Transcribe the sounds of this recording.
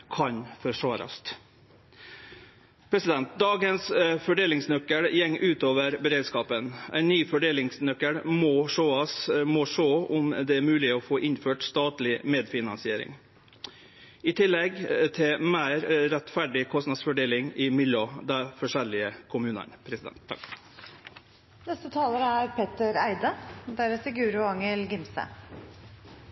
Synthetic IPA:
kʰɑɲfɔʂʋɑːɾɑ̰st̪ | pʰɾɛsɪd̪ɛnt̪̚d̪ɑːɡənsfɔɖeːlɪŋsnœkːəɽjɛŋːʔʉːt̪oːʋəɾbəɾeːd̪skɑːpənʔæ̰ɪnːyːfɔɖeːlɪŋsnœkːəɽmɔʂoːɑsmɔʂoːʊmd̪ɛæɾmʉːlɪɔfoːʔɪnføːʈst̪ɑːt̪lɪmeːd̪fɪnɑnsɪeːɾɪ̰ŋ | ɪt̪ʰɪlːɛɡt̪ʰɪlmæːɾɾɛt̪fæɖɪkʰɔst̪nɑd̪sfɔɖeːlɪŋɪmɪlod̪æfɔʂɛlɪəkʰʊmʉːnə̰npʰɾɛsɪd̪ɛ̰nt̪ː | nɛst̪ət̪ʰɑːləɾəæɾpʰeːt̪əɾæɪd̪əd̪æɾəsɪɡʉːɾʊɑŋəlɡɪmsə̰

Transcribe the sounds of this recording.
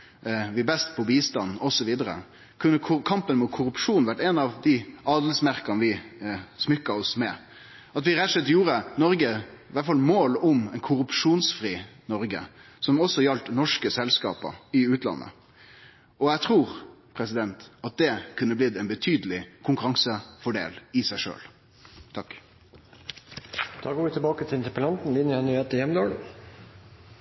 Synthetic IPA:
ʋɪbɛst̪pʰɔbiːst̪ɑnːɔsɔʋiːd̪əɾə̰ | kʰʉnːəkʰɑmpənmuːt̪̚kʰʊɾʉpʂuːnʋæʈːɛnɑʋd̪ɪɑːd̪əl̩smæɾkənʋɪsmʏkːɑɔsmɛ | ɑt̪ʋɪɾæt̪ʂɛt̪ːjuːɾənɔɾɡəʋæʈfɑlmoːlʊmɛnkʰʊɾʉpʂuːnsfɾiːnɔɾɡə̰ | sɔmɔsɔjɑlt̪nɔʂkəsɛlskɑ̰ːpə̰ɾɪʉːt̪lɑ̰nːə̰ | ɔæɪt̪ʰʁuːʁpʰʁɛsɪd̪ɛnt̪ɑt̪̚d̪ɛkʰʉnːəblɪd̪ɛnbət̪ʰyːd̪əlɪkʰʊŋkʉɾɑŋsəfɔɖḛːlɪsæɪʂø̰ːl | t̪ʰɑkː | d̪̥ɑːɡoːʋɪt̪ɪlbɑːkət̪ʰɪɪnt̪əpəlɑnt̪n̩lɪnjəɛnyːheːt̪əjɛmd̪oːlə

